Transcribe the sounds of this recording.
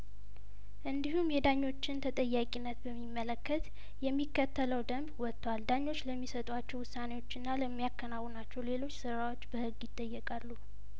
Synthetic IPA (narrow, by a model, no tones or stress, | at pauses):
ʔɨnd̪iɦumjɛd̪aɲːo̞t͡ʃːɪnt̪ʰət̪ʼəjːakʼinːət̪bəmːimːələkːət̪ | jɛmːikːət̪ʰːələwd̪əmbwɔt̪ʰːwald̪aɲːo̞t͡ʃːləmːisət̪ʼwat͡ʃːɛwʊsːane̞wot͡ʃːɨnːaləmːijakʰːənawːɔnat͡ʃːɛwle̞lo̞t͡ʃːsɨɾawo̞t͡ʃːbəhɨɡjɪt̪ʼːəjːɛkʼalːu